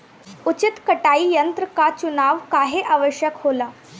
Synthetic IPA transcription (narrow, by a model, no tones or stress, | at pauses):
ut͡ɕit̪kəʈaiːjənt̪ɾəkat͡ɕunaʋkaɦeʔaʋəɕjəkɦola